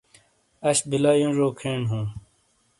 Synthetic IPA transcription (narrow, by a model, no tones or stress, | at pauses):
ɐɕbʱilaːjũːʐoːkʰeːɳɦũː